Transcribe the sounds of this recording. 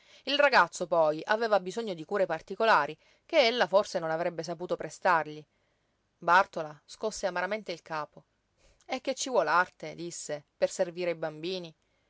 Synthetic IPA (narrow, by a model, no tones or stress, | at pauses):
ilraɡat̪sːopɔjʔaveːvabizoɲːod̪ikuːɾepart̪ikolaːɾi | keelːaforsenonavɾɛbːes̬apuːt̪opɾest̪arʎi | bart̪olaskosːeamaɾament̪eilkaːpo | ɛkːet͡ʃːivwɔlart̪ed̪isːeperserviːɾeibambiːni